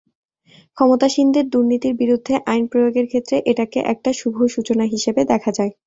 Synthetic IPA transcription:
kʰɔmot̪aʃind̪eɾd̪uɾnit̪iɾbiɾud̪ʱːeʔajnpɾojoɡeɾkʰet̪ːɾeʔeʈakḛʔɛk̚ʈaʃubʱoʃut͡ɕonaɦiʃebed̪ɛkʰad͡ʑae

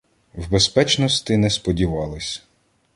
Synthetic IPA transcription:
wbespɛt͡ʃnɔst̪ɪnɛspɔdʲiʋɑlˠɪsʲ

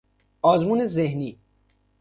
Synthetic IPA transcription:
ɔːzmuːnezehniː

